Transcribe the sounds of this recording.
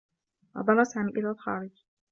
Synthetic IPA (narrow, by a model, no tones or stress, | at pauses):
wɑ̰d̪ˤɑlˤːɑsaːmiːʔɪlalxɑ̰ːɾɪd͡ʒ